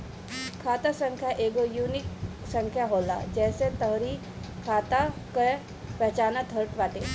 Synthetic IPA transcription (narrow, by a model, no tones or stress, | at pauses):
kʰat̪asəŋkʰjaʔeɡojunik | səŋkʰjaɦola̰d͡ʑɛːset̪əɦɾi | kʰat̪akə | pɛt͡ʃanat̪ʰəɾʈʋaʈe